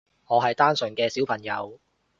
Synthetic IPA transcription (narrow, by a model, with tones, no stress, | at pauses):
ŋɔː˨˧ɦɐ˨jt̪aː˥nsɵ˨˩ŋkɛː˧si˨˥wpʰɐ˨˩ŋjɐ˨˧w